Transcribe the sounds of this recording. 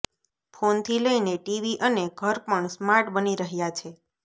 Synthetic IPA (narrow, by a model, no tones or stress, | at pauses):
fʰont̪ʰiləineʈiʋiʔəneɡʱəɾpəɳsmaɾʈbəniɾəɦjat͡ʃʰe